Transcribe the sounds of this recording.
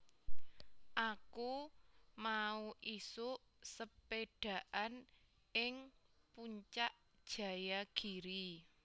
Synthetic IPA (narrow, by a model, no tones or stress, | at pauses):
ʔakumauʔisʊʔsəpeɖ̥ä̤ʔan | ɪŋ | puɲt͡ʃaʔ | d̥ʒ̥ä̤jaɡ̥iɾi